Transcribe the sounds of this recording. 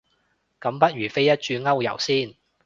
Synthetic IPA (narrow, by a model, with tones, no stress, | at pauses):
kɐ˨˥mpɐ˥t̚ɥyː˨˩fe˥jɐ˥t̚t͡ʃyː˧ŋɐ˥wjɐ̰˨˩wsiː˥˩n